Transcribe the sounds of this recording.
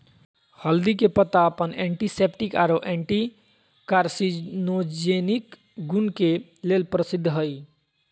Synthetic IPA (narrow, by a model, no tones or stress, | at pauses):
həld̪ikepət̪aəpəneɳʈisepʈikaɾoʔeɳʈi | kaɾsinod͡ʒenik | ɡunke | lelpɾəsid̪ʱːɦəj